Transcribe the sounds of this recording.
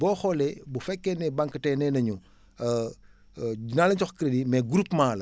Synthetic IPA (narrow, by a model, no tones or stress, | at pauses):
bɔːxɔlɛbufɛkːɛnɛbaŋkətɛnɛnɐɲu | inalɐɲt͡ʃɔxkiɾedimɛɡuɾupmaːlɐ